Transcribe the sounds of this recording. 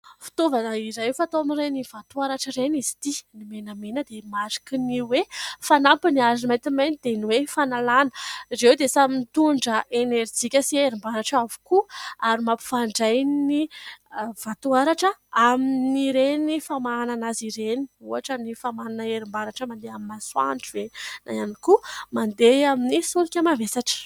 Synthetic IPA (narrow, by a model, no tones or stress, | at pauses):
fi̥t̪ovanəiɾajfat̪oamirejnivat̪uaɾaʈ͡ʂəɾenizi̥t̪inimenəmenəd̪emaɾi̥kiniwefanampiniazinmajt̪imajnid̪̥eniwefanalanə̥izewd̪esamint̪uɳɖ͡ʐəʔeneɾid͡zikʲəsieɾimbaɾaʈ͡ʂavu̥kuaɾimapu̥faɳɖ͡ʐajni | vat̪uaɾaʈ͡ʂəaminiɾenifamaananaziɾeniuaʈ͡ʂənifamananəeɾimbaɾaʈ͡ʂəmand̪eaminaswa̰ɳʈ͡ʂivena̰janikumand̪eaminisulikʲəmavesaʈ͡ʂ